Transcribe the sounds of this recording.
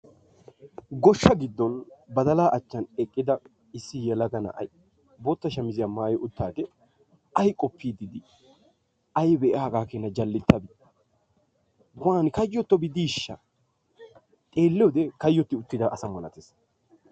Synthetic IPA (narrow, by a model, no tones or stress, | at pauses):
ɡɔʃːɐɡɪd̪ːɔnbɐd̪ɐlaːʔɐt͡ʃːɐnɛkʼːɪd̪ɐ | ɪsːɪjɛlɐɡɐnɐ̰ʔɐ̰j | bot̪ːɐʃɐmɪzɪjɐmːɐjʔʊt̪ːaːd̪ɛ | ɐjkʼɔpːiːd̪ɪd̪ɪ | ɐjbɛʔaːɡaːkeːnːɐd͡ʒɐlːɪt̪ːɐbɪ | ɡʊaːnɪkɐjːɔt̪ːɔbɪd̪iːʃːɐ | t̪ʼe̞ːlːɛwd̪ɛkɐjːɔt̪ːɪʊt̪ːɪd̪ɐʔɐsɐmɐnɐ̰t̪es